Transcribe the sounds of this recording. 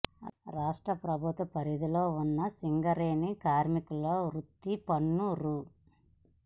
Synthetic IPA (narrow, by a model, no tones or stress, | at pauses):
ɾaːʂʈɾɐpɾɐbʱut̪ɐpɐɾid̪iloːunːɐsiŋɡɐɾeːnikaːɾmikulːoːɾut̪ːipɐnːuɾu